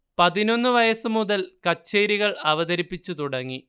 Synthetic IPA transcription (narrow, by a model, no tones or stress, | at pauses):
pɐðino̞nːɨʋɐjɐsɨmuðɐlkɐt͡ɕːeːɾiɣɐɭɐʋɐðɐɾipːit͡ɕːut̪uɽɐŋːi